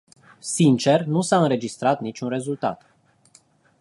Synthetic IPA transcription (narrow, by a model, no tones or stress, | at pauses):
sint͡ʃe̞rnusaɨnɾe̞d͡ʒist̪ɾat̪nit͡ʃʲunɾe̞zult̪a̰t̪